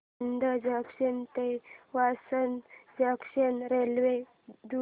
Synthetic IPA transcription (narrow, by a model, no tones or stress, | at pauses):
nd̪əd͡ʑakʂənt̪eʋasənd͡ʑəkʂənɾelʋe | d̪u